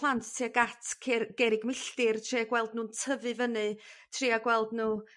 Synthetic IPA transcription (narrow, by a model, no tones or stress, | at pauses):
lˠantʰtʰiːaɡatʰkʰɡ̥ɛɾɪɡmɪɬtɪrtʰriːaɡwɛlˠdnuːntʰəvɨvənɨtʰriːaɡwɛlˠdnuː